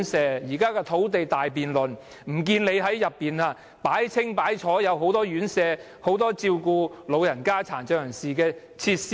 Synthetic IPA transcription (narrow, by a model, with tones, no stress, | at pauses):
nsɛː˨˧jiː˨˩kaː˥kɛː˧t̪ʰo˨˥wt̪e˨jt̪aː˨jp̬iː˨nlɵ˨˩n | m̩˨˩k̬iː˧nle˨˧jɦɐ˨˥jjɐ˨pːiː˨naː˧ | paː˨˥jt͡sʰɪ˥ŋpaː˨˥jt͡ʃʰɔː˨˥jɐ˨˧wɦo˨˥wt̪ɔː˥jyː˨˥nsɛː˨˧ | ho˨˥wt̪ɔː˥t͡siː˧wkuː˧lo˨˧wjɐ˨˩nkaː˥t͡sʰaː˨˩nt͡ʃœː˧jɐ˨˩ŋsiː˨˩kɛː˧ | t͡sʰiː˧t̚s